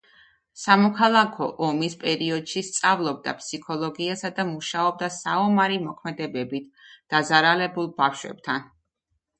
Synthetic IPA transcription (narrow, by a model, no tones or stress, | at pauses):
samɔkʰalˠakʰɔʔɔmispʼɛɾiɔd̪̥ʃist̪sʼavlˠɔb̚d̪a̰pʰsikʰɔlˠɔɡiasad̪amuʃaɔb̚d̪asaɔmaɾimɔkʰmɛd̪ɛbɛbit̪̚ʰd̪̥azaɾalɛbulˠbafʃwɛ̰b̥̚t̪ʰan